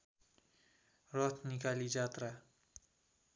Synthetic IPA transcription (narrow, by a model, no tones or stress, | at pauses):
rʌt̪ʰnikalid͡ʒat̪ra